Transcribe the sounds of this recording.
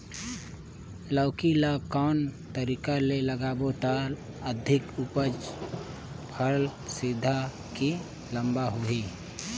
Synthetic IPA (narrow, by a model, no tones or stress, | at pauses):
ləːkilakaːnt̪əɾiːkaleləɡaːboʈaːl | əd̪ʱɪkʊpəd͡ʒ | pʰəlsɪd̪ʱa | ki | lə̃mbaɦuiː